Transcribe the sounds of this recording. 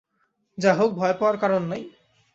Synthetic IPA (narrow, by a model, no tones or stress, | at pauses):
d͡ʑaɦok̚bʱɔepaaɾkaɾonːaj